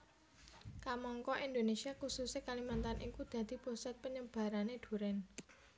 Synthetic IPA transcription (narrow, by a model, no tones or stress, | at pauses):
kamɔŋkɔʔind̪onesiakususekalimant̪anʔikud̪̥ä̤d̪̥i̤posat̪̚pəɲəb̥a̤ɾaned̪̥ṳɾɛn